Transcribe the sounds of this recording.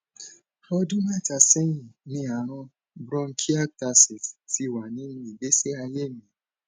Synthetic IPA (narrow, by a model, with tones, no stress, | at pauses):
ɾɔ˧˦dũ˦mã˦˨ta˧sɛ˦jĩ˦˨nĩ˧˦a˨ɾ̃ɔ̃˧ | bɾɔ̃˧ŋ̩˦kʰi˦a˦k̚ta˧si˨ti˨˦wa˨nĩ˨˦nũ˧˦i˨be˨˦se˦a˧je˦˨mĩ˨